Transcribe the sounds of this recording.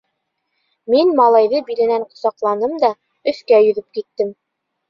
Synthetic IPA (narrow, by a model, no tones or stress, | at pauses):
minmɑlˠɑjðɤbiɾɘ̆næɴqŏ̥sɑqlˠɑnɤmd̪ɑ | ɵ̆θkæjɵ̆ðɵp̚kit̪ːɘm